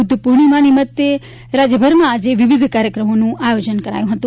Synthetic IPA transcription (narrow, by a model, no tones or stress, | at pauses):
ud̪ʱːəpuɾɳimãnimət̪ːe | ɾad͡ʒəbʱəɾmãːd͡ʒeʋiʋid̪ʱkaɾjəkɾəmonũajod͡ʒənkəɾa̰jũɦət̪ũ